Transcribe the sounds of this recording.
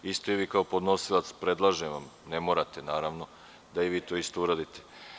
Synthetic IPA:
ist̪oiʋiːkaopo̞d̪no̞silˠat̪spɾe̞d̪lˠaʒeʋamne̞mo̞ːɾat̪enaːɾaʋno̞ | d̪aiʋiːt̪o̞ist̪o̞uɾad̪it̪e

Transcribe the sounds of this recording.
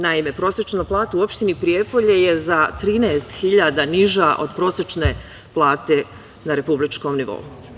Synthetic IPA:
naime̞pɾo̞ːset͡ʃnoplˠaːt̪auo̞pʃt̪inipɾijepo̞ʎeje̞zat̪ɾiːneːst̪xiʎad̪aniʒaʔo̞̰d̪pɾo̞ːsɾet͡ʃne | plˠaːt̪e̞ | naɾe̞publit͡ʃko̞mniʋo̞̰u

